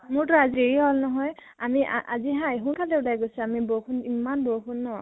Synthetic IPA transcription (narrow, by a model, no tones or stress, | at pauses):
mʊɹtɔaziɹeiɦɔlnɔɦɔj | amiʔa̰ziɦajɦunkʰalɛulajɡojsuamibokunimanboxʰunːɔ